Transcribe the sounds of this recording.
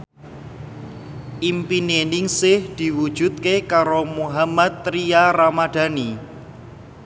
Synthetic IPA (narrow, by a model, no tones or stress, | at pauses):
ʔimpinenɪŋsɪhd̪̥i̤wud̥ʒ̥ṳt̪̚kekaɾomuɦamat̪ːɾiaɾamad̪̥ä̤ni